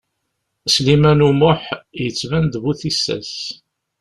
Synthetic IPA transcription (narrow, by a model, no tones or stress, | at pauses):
slimænumʊħjət͡sːvænd̪vuθisːæ̰s